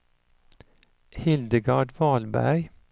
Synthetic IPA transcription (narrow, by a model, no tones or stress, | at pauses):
hɪld̪əɡɑːɖʋɑlbæ̰ɹ